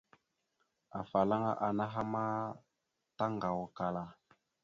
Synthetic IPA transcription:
a˨fa˨la˦ŋa̰˦ʔa˨na˦ɦa˦ma˦ | ta˦ŋɡa˨wɔ˨ka˨la˨

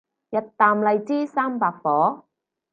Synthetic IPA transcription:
jɐ˨˧t̚t̪aː˨mlɐ˨jt͡siː˥saː˥mpaː˧k̚fɔː˨˥

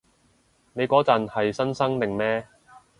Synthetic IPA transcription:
ne˨˧jkɔː˨˥t͡sɐ˨nhɐ˨jsɐ˥nsɐ˥ŋt̪ɪ˨ŋmɛː˥

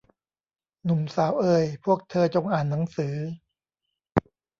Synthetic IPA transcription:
nu˨˩msaː˩˦wʔɤː˧jpʰu˥˩ək̚t̪ʰɤː˧t͡ɕo˧ŋʔaː˨˩nːa˩˦ŋsɯː˩˦

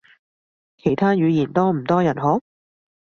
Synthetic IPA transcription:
kʰe˨˩jt̪ʰaː˥jyː˨˧jiː˨˩nt̪ɔː˥m̩˨˩t̪ɔː˥jɐ˨˩nɦɔː˨˥

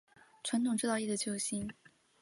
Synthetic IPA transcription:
ʈ͡ʂʰwa˧˥nt̪ʰʊ˨˩ŋʈ͡ʂɻ̩˥˧ɑ˥˧ʊi˥˩d̪ə˧˩t͡ɕjo˥˧ʊɕi˥n

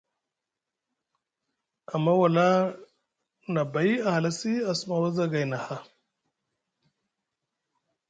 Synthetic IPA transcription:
a˨mːa˦wa˨la˦ | na˨ba˨i˦a˨ha˨la˦si˦a˨sma˨wa˦za˦ɡa˨jna˨ha˦

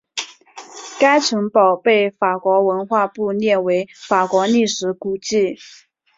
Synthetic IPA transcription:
ka˥ɪʈ͡ʂʰɤ˧˥ŋpɑ˨˩ʊpe˥˩ɪfa˨˩kwɔ˧˥wə˧˥nxwa˥˧pu˥˧njɛ˥˩nwe˧˥ɪfa˨˩kwɔ˧˥ni˥˩ʂɻ̩˧˥ku˨˩t͡ɕi˥˩

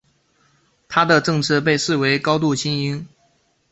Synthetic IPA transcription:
t̪ʰa˥d̪ə˨ʈ͡ʂɤ˥˧ŋt͡s̩ʰ˥˧p̬e˥˧ɪʂɻ̩˥˩we˧˥ɪkɑ˥ʊt̪̬u˥˩ɕi˥ŋi˥ŋ

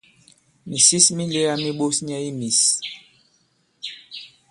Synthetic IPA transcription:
mi˨si˦smi˦le˦a˦mi˦ɓo˦sɲ˦a˦i˦mi˨s

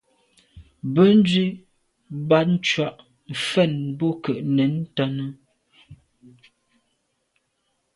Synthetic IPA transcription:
bə˦n̩˦dɥi˦ | ba˦t̚n̩˦t͡ʃwa˦ʔ | m̩˨fɛ˦˨nbɔ˦kə˨ʔnɛ˨˦n˦ta˦nə˦

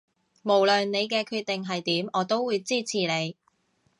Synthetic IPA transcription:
mo˨˩wlœ˨nne˨˧jk̬ɛː˧kʰyː˧t̪̚e˨ŋɦɐ˨jt̪iː˨˥mɔː˨˧t̪o˥wːuː˨˧jt͡siː˥˩t͡sʰiː˨˩ne˨˧j

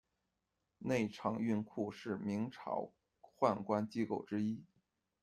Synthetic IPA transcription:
ne˥˩ɪʈ͡ʂʰɑ˨˩ŋy˥˧nkʰu˥˧ʂɻ̩˥˩mi˧˥ŋʈ͡ʂʰɑ̰˨˩˥ʊ | xwa˥˩nkwa˥nt͡ɕi˥ko˥˩ʊʈ͡ʂɻ̩˥i˥

